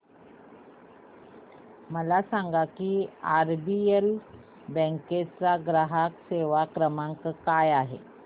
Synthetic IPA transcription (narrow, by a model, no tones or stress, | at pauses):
məlasaŋɡakiːaɾbiel | bə̃ŋket͡saɡɾaɦakseʋakɾəmaŋkkajaɦḛ